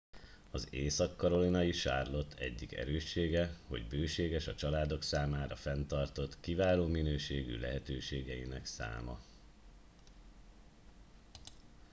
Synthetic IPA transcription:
ɒzeːsɒkːɒɾo̞linɒjiʃa̰ːrlo̞t̪ʰːɛ̰ɟːikɛ̰ɾøːʃːeːɡɛho̞̰ɟbøːʃeːɡɛʃɒt͡ʃɒlaːd̪o̞ksaːmaːɾɒfɛnt̪ɒrt̪o̞t̪kivaːloːminøːʃeːɡy̰lɛ̰ɦɛt̪øːʃeːɡɛjinɛksa̰ːmɒ̰

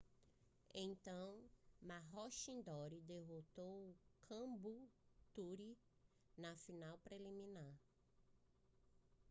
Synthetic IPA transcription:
ẽj̃t̪ɐ̃w̃maɦɔʃĩnd̪ɔɾid̪eɦot̪owkʰɐ̃but̪uɾi | nɐfinawpɾelimĩnaɾ

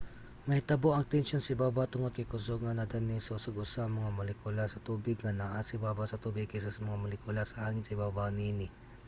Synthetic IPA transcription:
mɐt̪ɐboʔɐŋt̪ɛnʃonsɐibaːbat̪ʊŋod̪̚kɐjkʊsoɡ̚nɐnad̪anisɐʔʊsoɡʊsamɐŋamɐlɛkulasɐt̪uːbɪɡŋɐnaʔasɪbaːbasɐt̪uːbɪɡ̚kɛs̬asmɐŋamolɪkulasɐaːŋɪnsɐibabaniːnɪ

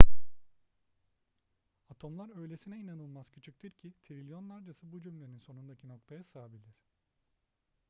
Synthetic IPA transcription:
at̪ʰo̞mlˠaɾø̞jlʲesinɛinanɯlˠmaz̥cʰy̥t͡ʃʰyc̚ʲt̪ʰiɾcʰit̪ʰiɾilʲjo̞nlˠaɾd͡ʒasɯbud͡ʒymlʲeninso̞nund̪acʰino̞k̚t̪ʰajasaːbilʲiɾ̝̥

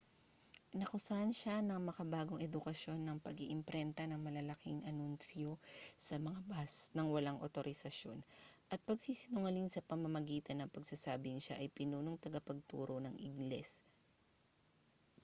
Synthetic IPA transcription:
nɐkʊsanʃanɐŋmɐkɐbaːɡoŋʔɛd̪ʊkɐʃjo̞nːɐŋpɐɡiʔɪmpɾɛnt̪ɐnɐŋmɐlɐlɐkɪŋʔɐnunsjosɐmɐŋabɐsnɐŋwɐlaŋʔot̪oɾɪsɐʃjo̞nʔɐt̪̚pɐɡsiːsɪnʊŋɐliŋsɐpɐmɐmɐɡiːt̪ɐnːɐŋpɐɡsasaːbɪŋʃaʔɐjpɪnuːnoŋt̪ɐɡɐpɐɡ̚t̪ṵːɾo̞nɐŋʔɪ̰ɡlɛs

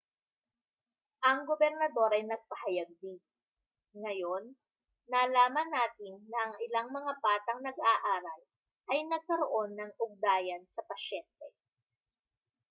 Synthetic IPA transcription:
ʔɐŋɡobɛɾnɐd̪o̞ɾʔɐjnɐɡ̚pɐhɐjɐɡ̚d̪i | ŋɐjo̞nː | aːlaːmɐnːaːt̪ɪnːɐʔɐŋɪlaŋmɐŋapaːt̪ɐŋnɐɡaːʔaːɾɐl | ʔɐjnɐɡ̚kɐɾoʔo̞nːɐŋʔʊɡ̚d̪aːjɐnsɐpɐʃɛnt̪ɛ

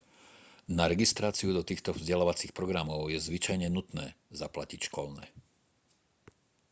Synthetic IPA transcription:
naɾɛɡist̪ɾaːt͡siud̪ɔt̪iːxt̪ɔvzɟɛlaːʋat͡siːxpɾɔɡɾamɔʊjɛzʋit͡ʃajɲɛnut̪nɛ̰ːzaplacicʃkɔlnɛ̰

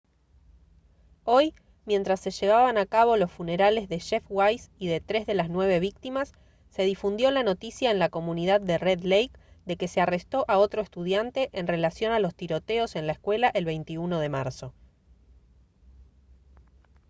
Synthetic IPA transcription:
o̞j | mje̞nt̪ɾasːe̞ʒe̞β̞aβanakaβo̞lo̞sfune̞ɾale̞zðe̞ʃefwajsiðe̞t̪ɾe̞zðe̞laznwe̞β̞e̞β̞ik̚t̪imasː | e̞ðifund̪jo̞lano̞t̪isjae̞nlako̞mũniðaðːe̞reðlejkd̪e̞ke̞se̞are̞st̪o̞ʔao̞t̪ɾoest̪uðjant̪e̞ʔenre̞lasjo̞nalo̞st̪iɾo̞t̪eo̞se̞nlaeskwe̞laʔelβe̞jnt̪iuno̞ð̞e̞maɾso̞

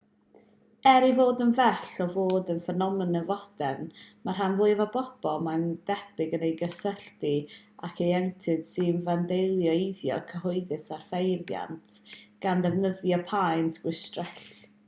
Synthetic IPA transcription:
ɛɾivoːdənvɛɬɔvoːdənfənɔmənəvɔd̥ɛnmarɦanvʊːɨvabɔb̥ɔlˠmand̥ɛb̥ɪɡənejɡəsəɬtiakʰejɛntʰɨd̥sɨnvandejlˠjɔiðjɔ̰kʰəɦʊɨðɨsar̥fejvja̰ntʰɡ̥anðɛvnəðjɔpʰajnsɡ̥wɪstrɛɬ

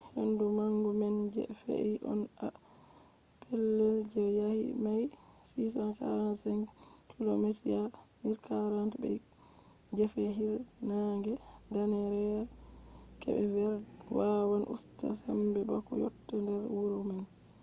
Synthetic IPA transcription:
hendumaŋɡumɛnd͡ʒɛ̰fḛʔiʔɔ̰na | tʰɛlːɛld͡ʒɛjahḭmaj | sisankaɾansɛn | tʰulomatija | niɾkʰaɾantubɛ̰ | d͡ʒɛfɛɦiɾnaŋɡɛ | danɛɾɛ | kɛ̰bɛvɛɾ | wawanʔṵsta̰sambɛɗɔkɔ̰jo̰tːɛndɛɾwuɾuman

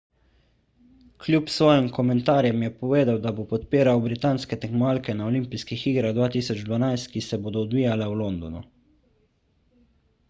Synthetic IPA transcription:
klʲjupsʋɔːjimkɔmɛnt̪aːɾjɛmjɛpɔʋeːd̪awd̪abopɔt̪piːɾawbɾit̪aːnskɛt̪ɛŋkmaːlkɛnaɔlimpiskixiːɡɾaɣd̪ʋaːt̪iːsɔd͡ʒd̪vʋanajst̪̚kisɛboːd̪ɔːd̪ʋiːjalɛwlond̪ɔnṵ

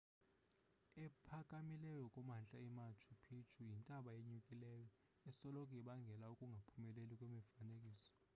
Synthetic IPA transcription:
ɛpʰakʼamilɛjɔkʼumant͡ɬʼaɛmat͡ʃʰupʰit͡ʃʰujintʼaɓaeɲukʼilɛjɔ | ɛsɔlɔk̬ʼiɓaŋɡʱɛlaukʼuŋɡʱapʰumɛlelikʼwemɛfanekʼiːsɔ̥

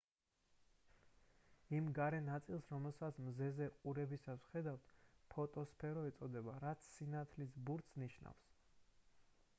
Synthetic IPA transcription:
imɡaɾɛnat̪sʼilˠsɾɔmɛlˠsat̪sʰmzɛzɛqʼuɾɛbisasχɛd̪avt̪ʰpʰɔt̪ʼɔspʰɛɾɔɛt̪sʼɔd̪ɛbaɾat̪sʰːinat̪ʰlisbuɾt̪sniʃna̰fs

